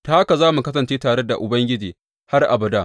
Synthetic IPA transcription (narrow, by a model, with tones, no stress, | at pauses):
ta˦a˦ka˨zaː˦mu˨kɐ˦s̬ɐ˨nt͡ʃeː˦taː˨ɽe˦da˨ʔʊ˨bɐ˦ŋɡʲɪ˦d͡ʒiː˨ | ha˦rʔa̰˨bɐ˨daː˦